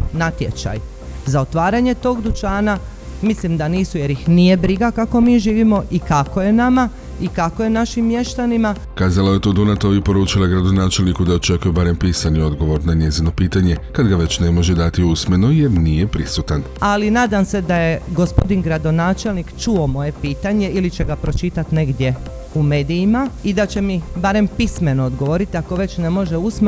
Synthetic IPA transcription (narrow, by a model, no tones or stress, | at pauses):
nat̪je̞̰t͡ʃa̰j | zao̞t̪ʋaːɾaɲe̞t̪o̞ːɡd̪ut͡ʃaːna | mislimd̪aniːsuje̞ɾjixnije̞bɾiɡakako̞miːʒiːʋimo̞ʔikako̞je̞nama | ikako̞je̞naʃimːje̞ʃt̪anima | kaːzalajet̪od̪unat̪o̞ʋipo̞ɾuːt͡ʃilˠaɡɾad̪o̞naːt͡ʃe̞lˠnikud̪ao̞t͡ʃe̞kujubaɾe̞mpiːsanio̞d̪ɡo̞ʋo̞ɾnaɲe̞zino̞piːt̪aɲe̞kad̪ɡaʋe̞t͡ɕne̞mo̞ʒed̪at̪iusme̞nuje̞ɾnijepɾisut̪an | alinaːd̪amse̞d̪ajeɡospo̞d̪inɡɾad̪o̞naːt͡ʃe̞lnikt͡ʃuomo̞je̞piːt̪aɲe̞ilit͡ɕe̞ɡapɾo̞t͡ʃit̪at̪ne̞ɡd̪ʲje̞ | ume̞ːd̪ijimaid̪at͡ɕe̞mibaɾe̞mpisme̞no̞ːd̪ɡo̞ʋo̞ɾit̪iako̞ʋe̞t͡ʃne̞mo̞ʒe̞usm